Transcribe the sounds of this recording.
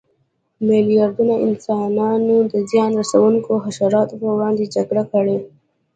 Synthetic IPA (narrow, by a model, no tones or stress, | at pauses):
mɪlijɑɾd̪unaɪnsɑnɑnod̪əzjɑnɾasawuŋkoɦaʃaɾɑt̪opəwɽɑnd̪ed͡ʒaɡɽakəɽe